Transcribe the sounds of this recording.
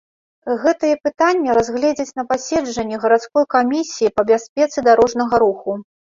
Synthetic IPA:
ɣɛt̪ɨjɛpɨt̪anʲːɐɾazɣlʲɛd͡zʲɐt͡sʲn̪ɐpasʲɛd͡ʐɐnʲːɛɣɐɾat̪skɔjkamʲisʲijipɐbʲasʲpʲɛt̪sɨd̪aɾɔʐnɐɣɐɾuxu

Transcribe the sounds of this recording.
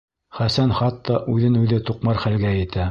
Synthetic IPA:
χæsænχɑt̪ːɑʔʉðɘnʉðɘt̪uqmɑɾχælɡæjɘ̆t̪ʰæ

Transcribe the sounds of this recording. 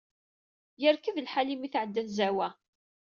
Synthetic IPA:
jəɾkəðəlħalimiθʕəd̪ːænzæwæ

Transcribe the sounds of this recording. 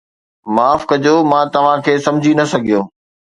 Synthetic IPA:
maːfkɐd͡ʑoːmãːt̪ɐʋ̤ãkʰeːsɐ̃md͡ʑʱinɐsɐɡʱijoː

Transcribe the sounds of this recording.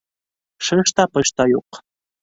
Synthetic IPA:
ʃəʃt̪ɑpɤʃt̪ɑjoq

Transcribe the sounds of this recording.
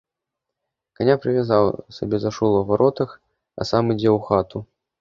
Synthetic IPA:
kanʲapɾɨvʲazawsabʲɛzaʂulˠɐvaɾʔɔt̪ɐx | ɐ̰samɨd͡zʲɛwxat̪u

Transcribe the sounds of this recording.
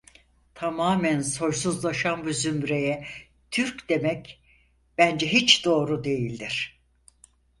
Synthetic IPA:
t̪ʰamaːmænso̞ɾsuzlˠaʃanbuzymɾejɛ | t̪ʰyɾcd̪̥e̞mɛc | b̥ænd͡ʒɛɦit͡ʃd̪o̞ːɾud̪e̞jilʲd̪iɾ̝̥

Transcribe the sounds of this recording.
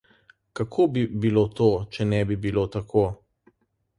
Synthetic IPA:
kakʰobibilot̪ot͡ʃɛnɛbibilot̪akʰoː

